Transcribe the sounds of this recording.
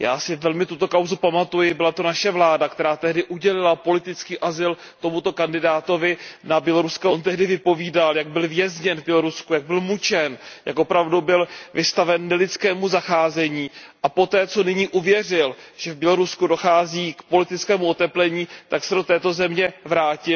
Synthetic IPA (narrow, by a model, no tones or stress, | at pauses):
ja̰ːsɪvɛlmɪt̪ut̪o̞kawzupamat̪ujɪbɪlat̪onaʃɛvlaːdakt̪ɛɾaːt̪ɛɦdɪʔuɟɛlɪlapo̞lɪt̪ɪt͡skiːʔazɪl | t̪o̞mut̪o̞kandɪdaːt̪o̞vɪnabjɛlo̞ɾuskaont̪ɛɦdɪvɪpo̞viːdaljaɡ̚bɪlvjɛzɲɛnvbjɛlo̞ɾuskujaɡ̚bɪlmut͡ʃɛnjʔa̰kʔopɾavdubɪlvɪst̪avɛnːɛlɪt͡skɛːmuzaxaːzɛɲiːʔapo̞t̪ɛːt͡so̞nɪɲiːʔuvjɛr̝ɪlʒ̥ɛvbjɛlo̞ɾuskudo̞xaːziːkpo̞lɪt̪ɪt͡skɛːmuʔo̞t̪ɛplɛɲiːt̪aksɛdo̞t̪ɛːt̪o̞zɛmɲɛvɾaːcɪ